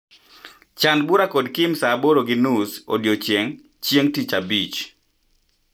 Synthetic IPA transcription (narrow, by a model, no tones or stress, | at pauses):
t͡ʃanbuɾakodkɪmsaboɾoɡɪnuso̰djot͡ʃjeŋ | t͡ʃeŋtit͡ʃabit͡ʃ